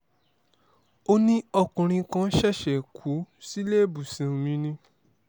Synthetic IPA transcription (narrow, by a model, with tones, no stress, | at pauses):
o˦nĩ˦ɔ˧kũ˨ɾ̃ĩ˧kã˦ʃɛ˦˨ʃɛ˨kʰu˨˦si˦leː˦˨bu˨sĩ˨ũ˨mĩ˧nĩ˧